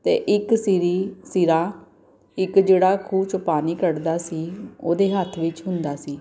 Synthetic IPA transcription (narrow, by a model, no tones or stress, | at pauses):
t̪ḛːʔɪksiɾiːsɪɾaː | ɪkd͡ʒeːɽaːkʰuːt͡ʃʊpaːniːkəɽd̪aːsiːoːd̪eːɦət̪ʰʋɪt͡ʃɦʊnd̪aːsiː